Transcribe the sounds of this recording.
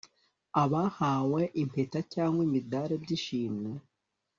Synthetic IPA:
aβahaːweʔimpetacaːŋɡwimidaɾebɟiʃiːmŋe

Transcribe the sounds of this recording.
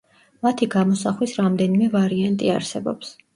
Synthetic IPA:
mat̪ʰiɡamɔsaχwisɾamd̪ɛnimɛvaɾiant̪ʼia̰ɾsɛbɔ̰ps

